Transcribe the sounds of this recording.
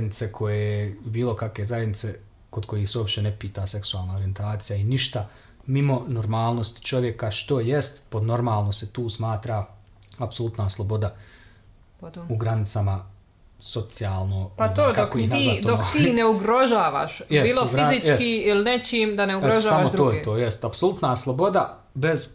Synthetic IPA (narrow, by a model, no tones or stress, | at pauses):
d̪nit̪se̞kʰo̞jejbiːlˠo̞kakʋe̞zajed̪nit̪se | ko̞d̪ko̞jiːseopʃt̪e̞ne̞piːt̪ase̞ksuaːlˠnaoɾie̞nt̪aːt̪sijainiʃt̪a | mimo̞noɾmaːlˠno̞st̪t͡ʃo̞ʋjekaʃt̪o̞jest̪po̞d̪no̞ɾmaːlˠnoset̪uːsmaːt̪ɾa | apso̞lˠut̪naslˠo̞bo̞d̪a | uɡɾanit̪sama | so̞t̪sijaːlˠnozkakojenazad̪ot̪ːneuɡɾoʒaːʋa̰ːʃjbeisloufɡɾizit͡ʃjeskiːilinet͡ʃiːmd̪aneuɡeɾoʒasːamotd̪ɾo̞ːjet̪oːjest̪apsolut̪naslˠobo̞d̪a | be̞z